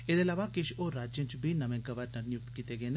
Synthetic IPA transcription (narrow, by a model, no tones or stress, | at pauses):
ed̪elaʋakiʃoɾaːd͡ʒint͡ʃbinɐmeŋkɐʋaɾnɐnjukt̪kit̪eɡen